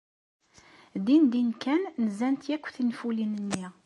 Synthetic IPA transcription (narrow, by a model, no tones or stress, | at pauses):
d̪ind̪inkːænːzænt̪jækʷːθinfulinənːi